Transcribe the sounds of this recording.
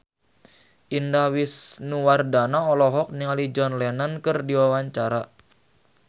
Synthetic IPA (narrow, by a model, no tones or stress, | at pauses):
ʔindahwisnuwardanaɔlɔɦɔk̚niŋalid͡ʒɔnlɛnankərdiwawaɲt͡ʃaɾa